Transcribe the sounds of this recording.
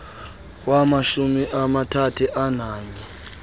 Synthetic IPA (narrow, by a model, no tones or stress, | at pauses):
wamaʃumiʔamatʰatʰuʔanaːɲɛ